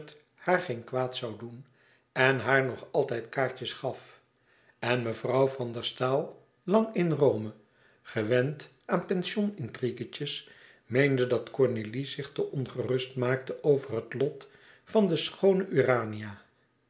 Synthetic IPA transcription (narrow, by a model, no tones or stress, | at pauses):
t | haːɹχenkʋaːtsɑwdun | ɛnɦaːɹnɔχɑlˠtɛjtkaːɹt͡ʃəsχɑf | ɛnməvrɑwvɑndəɹstaːlˠ | lɑŋɪnrowmə | χəʋɛnt | aːnpɛnʃɔnɪntriɡəcəs | mejndədɑtkɔɹnelizɪχtəʔɔnχərɵstmaːk̚təʔowvərɦətlɔt | fɑndəsχownəʔyːraːniaː